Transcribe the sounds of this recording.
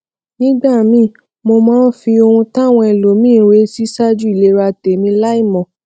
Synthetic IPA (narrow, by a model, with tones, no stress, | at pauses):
nĩ˦ɡ͡ba˦˨mĩ˧˦ | mo˧mãː˦n˦fi˧o˧hũ˧tã˦˨w̃ɔ̃˧ɛ˧˨lo˨˦mĩː˦˨ɾe˨˦si˦sa˦d͡ʒu˦i˦˨le˨˦ɾa˧te˨mĩ˧la˦i˦˨mɔ̃˨